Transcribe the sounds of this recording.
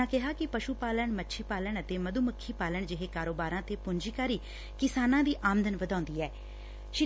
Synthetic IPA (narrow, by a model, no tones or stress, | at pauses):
ãːkɪɦaːkɪpəʃuːpaːləɳmətːʃʰiːpaːləɳət̪eːməd̪uːməkʰːiːpaːləɳd͡ʒɪɦeːkaːɾoːbaːɾãːt̪eːpʊɲd͡ʒiːkaːɾiː | kɪsaːnãːd̪iːʔaːmənd̪ənʋəd̪ãːnd̪iːɛː | ʃɪ